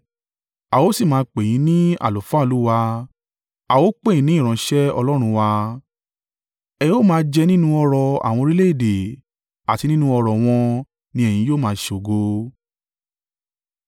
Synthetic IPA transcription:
a˨wo˨˦si˦˨mãː˧k͡pe˨j̃ĩ˨˦nĩ˦a̰˦˨lo˨fã˦˧lu˦wa˧ | a˨wo˦k͡pe˦˨ĩ˨˧nĩ˦ĩ˦˨ɾ̃ɔ̃˨˧˦ʃɛ˦ɔ̰˧lɔ˦ɾ̃ũ˧wa˧ | ɛ˧jo˦˨mãː˦˧˦d͡ʒɛ˧nĩ˦nũ˦ɔ˧ɾɔ˨a̰˨w̃ɔ̃˧ɾi˦le˦i˦˨de˨ | a˨ti˧nĩ˦nũ˧˦ɔ˧ɾɔ˨w̃ɔ̃˧ | nĩ˧˦ɛ˦˨j̃ĩ˧joː˦˨mãː˨˦˧ʃe˧o˨ɡo˧

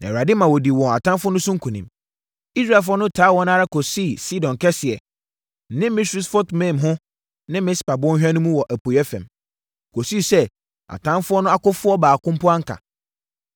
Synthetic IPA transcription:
nã̰˨a˨dɪ˦mã˨wɔ˨di˨wɔ̃˨a˨tʰã˦fʊ˦nʊ̃˦sʊ̃˦ŋ̩˦kʰũ˨nĩ˨m | i˦sɾa˦˨f̬ʊ˦ɔ˦nʊ̃˦tʰaː˨˦wɔ̃˦nã˦ɾa˦kʰo˨si˦˨si˦dɔ̃˨n˨kʰɛ˦sɪ˨ɛ˨ | nɪ̃˦mɪ̃˦su˦sfɔ˦tʰmɛ̃˦˨mɦʊ̃˦ | nɪ̃˦mɪ̃˦spa˨bʊ˦ɔ̃˦n˦hᶣa˦nʊ̃˦mũ˦wɔ˨ʔæ˨pʰo˨jɛ˦fɛ̰̃˨m | kʰo˨si˦˨sɛ˦ | a̰˨tʰã˦nfʊ˦ɔ˦nʊ̃˦a˦kʊ˦fʊ˦ɔ˦baː˨kʊ̃˦m˦pʊ˦a˦ŋ̩˦kʰa̰˨

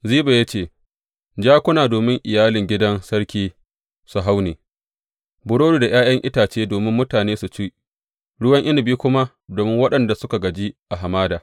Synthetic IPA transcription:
ziː˦ba˨ja˦t͡ʃeː˦˨ | d͡ʒaː˦kʷʊ˦naː˨doː˨mɪ˦ŋʔɪ˨jaː˦lɪ˨ŋɡʲɪ˦dɐ˦nsɐ˦ɽkʲiː˦ | su˨ɦa˦wneː˨ | bʊ˨ɽoː˦duː˨da˨j̰aː˦jɐ˦ŋʔɪ˦taː˨t͡ʃeː˦doː˨mɪ˦mːʊ˦taː˨neː˦su˨t͡ʃiː˦ | ɽʊ˦wɐ˦ŋʔɪ˦nɪ˨biː˦kʷʊ˦ma˦ | doː˨mɪ˦ŋwɐ˦ɗɐ˨nda˨sʊ˦ka˨ɡɐ˨d͡ʒi˦ʔa˨ɦa˨maː˦daː˨

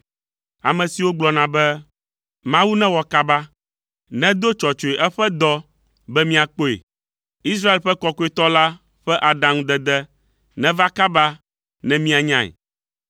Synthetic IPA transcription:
a̰˨mɛ̃˨si˨wo˦ɡ͡blɔ˨nã˨bɛ˦ | mã˦wu˦nɛ̃˦wɔ˨ka˦ba˦ | nɛ̃˦d̪o˦t͡ʃɔ˨t͡ʃo˨e˨ʔɛ˦ɸɛ˦d̪ɔ˦ | bɛ˦mĩ˦a˨k͡po˦ḛ˨ | i˦s̬ɾa˦e˨lɸɛ˦kɔ˦ko˦e˨t̪ɔ˦la˦ | ɸɛ˦ʔa˨ɖã˨ŋũ˦d̪ɛ˨d̪ɛ˦ | nɛ̃˦va˦ka˦ba˦ | nɛ̃˦mĩ˦a˨ɲã˦˨ḛ˨

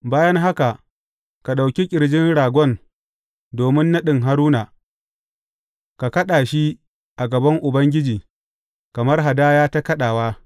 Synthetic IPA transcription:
baː˦jɐ˦ŋɦa˦ka˨ | ka˨ɗa˨wkʲi˦kʲʼɪ˨ɽd͡ʒɪ˦nɽaː˨ɡʷɔ˦˨n | doː˨mɪ˦nːa˦ɗɪ˨ŋɦa˦ɾuː˦naː˨ | ka˨kɐ˦ɗaː˨ʃi˦ | ʔa˨ɡɐ˨bɐ˦ŋʔʊ˨bɐ˦ŋɡʲɪ˦d͡ʒiː˨ | kɐ˨mɐ˦rɦa˨daː˦jaː˦ta˦kɐ˦ɗaː˨waː˦

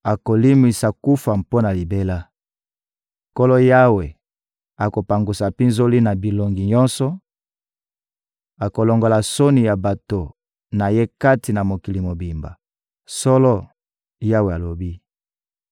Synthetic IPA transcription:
a˨ko˨li˦mi˨sa˨ku˦fa˨mpo˦na˨li˨be˦la˦ | ko˦lɔ˦ja˦we˨ | a˨ko˨pa˨ŋɡu˨sa˨pi˦nzo˦li˦na˨bi˨lo˨ŋɡi˨ɲɔ̃˦nsɔ˨ | a˨ko˨lo˨ŋɡo˨la˨so˦ni˨ja˨ba˨to˨ | na˨je˦ka˦ti˨na˨mo˨ki˨li˨mo˨bi˨mba̰˨ | sɔ˦lɔ˦ | ja˦we˨a˨lo˨bi˦

